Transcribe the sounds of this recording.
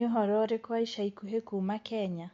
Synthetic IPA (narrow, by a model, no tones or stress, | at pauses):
oɦɔɾɔɾekwaiʃaikuɦekumakɛɲa